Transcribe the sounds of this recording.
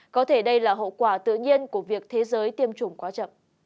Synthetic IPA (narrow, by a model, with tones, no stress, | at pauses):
kɔ˨˦t̪ʰe˧˩ɗə˧jlaː˨˩ɦo̰˧˨kwaː˧˩t̪ɨ̰˧˨ɲi˧ənku˧˩əvi˨˩ək̚t̪ʰe˨˦zəː˨˦jt̪i˧əmt͡ɕʊ˨˩ŋ͡mkwaː˨˦t͡ɕə̰˧˨m